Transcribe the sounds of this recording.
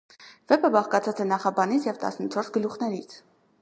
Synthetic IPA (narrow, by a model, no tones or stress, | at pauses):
vɛpəbɑχkɑt͡sʰɑt͡sɛnɑχɑbɑnit͡sʰjɛvt̪ɑ̰snət͡ʃʰɔɾsɡəluχnɛɾit͡sʰ